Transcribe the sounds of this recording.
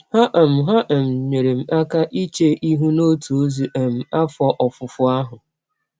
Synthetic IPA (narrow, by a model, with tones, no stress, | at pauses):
ha˦ʔɛ˨m̩˨ɦa˦ʔe˨m̩˨ɲe˨ɾe˨m̩˨a˦ka˦ʔi˦t͡ʃe˦ʔi˦ɦu˦no˦tʰu˨o˦zu˨e˨m̩˨a˦fɔ˦ʔɔ˨fʊ˨fʊ˦a˦ɦʊ˨